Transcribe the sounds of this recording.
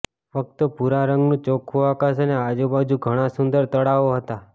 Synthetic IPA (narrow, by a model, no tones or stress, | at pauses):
fək̚t̪opuɾaɾəŋɡnũt͡ʃokʰuakas̬ənead͡ʒubad͡ʒũɡʱəɽ̃asʊnd̪əɾt̪əɽaʋoɦət̪a